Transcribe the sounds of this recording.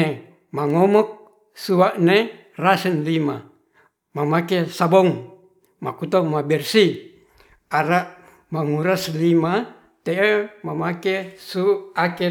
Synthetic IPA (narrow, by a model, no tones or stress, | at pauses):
e | maŋomɔk̚ | suaʔne | rasɛnlima | mamakesabɔŋ | makut̪omabɛrsi | aɾaʔ | maŋuɾaslima | t̪eʔemamakesuake